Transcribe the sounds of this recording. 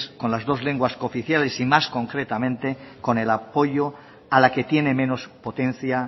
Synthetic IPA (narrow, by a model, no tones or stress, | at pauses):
sko̞nlazðo̞zle̞ŋɡwasko̞fiθjalesimasko̞ŋkɾe̞t̪amẽ̞nt̪eko̞ne̞lapo̞ʎo | alake̞t̪je̞ne̞mẽ̞nospo̞t̪ẽ̞n̟θja